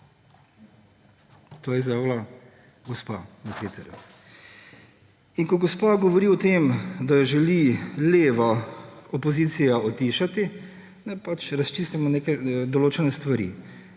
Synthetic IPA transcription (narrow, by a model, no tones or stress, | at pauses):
t̪oːjɛzjawla | ɡɔspa̰nɐt̪ʋeːt̪ɛɾjṵ | inkɔɡɔspaɡɔʋɔɾiɔt̪eːmd̪ajɛʒɛlileːʋaɔpoziːt̪sijaɔt̪iːʃat̪i | nɛpat͡ʃɾɐst͡ʃiːst̪imɔneːkɛd̪ɔloːt͡ʃɛnɛst̪ʋaɾḭ